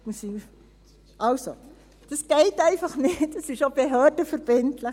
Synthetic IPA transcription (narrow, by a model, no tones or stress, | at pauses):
musi | ʔɑlso | d̥ɑsɡ̥ɛɪtɛɪfɑχnɪtəsɪʃobeɦœːdəfəɾb̥ɪntʰlə